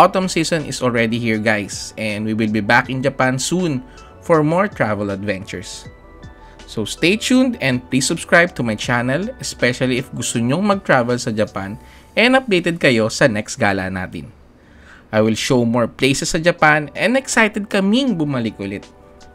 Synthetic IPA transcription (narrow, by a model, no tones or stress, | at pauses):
ʔɔt̪ɔmsisɔ̃nɪ̰sɔlɹɛd̪ihiɹɡajsʔɛ̃nd̪wiwɪlbibakɪ̃nd͡ʒɐpansũn | fɔɹmɔɹt̪ɹavɛlɐd̪vɛ̃nt͡ʃʊ̰ɹs | ost̪et͡ʃund̪ɛ̃nd̪̚pɹisʊbskɹajb̚t̪ʊmɐjt͡ʃanɛlɛspɛʃɐliɪfɡʊst̪oɲoŋmɐɡ̚t̪ɹavɛlsɐd͡ʒɐpan | ʔɛɐ̃nɐp̚d̪ejt̪ɛd̪̚kɐjo̞sɐnɛks̚ɡa̰ːla̰na̰ːt̪ɪ̰n | ʔajwɪlʃowmoɹplejsɛsːɐd͡ʒɐpanɛ̃nd̪ɛksajt̪ɛd̪̚kɐmɪŋbʊmɐlɪkʔʊlɪt̪̚